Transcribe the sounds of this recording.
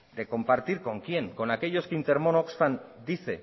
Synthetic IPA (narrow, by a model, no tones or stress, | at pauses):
d̪e̞ko̞mpaɾt̪iɾko̞ŋkje̞ŋko̞nake̞ʎo̞skint̪e̞ɾmonoksfand̪iθe̞